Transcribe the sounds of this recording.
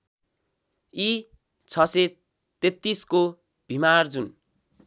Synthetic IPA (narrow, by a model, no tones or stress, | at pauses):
i | t͡sʰʌse | t̪et̪ːisko | b̥ʱimard͡zun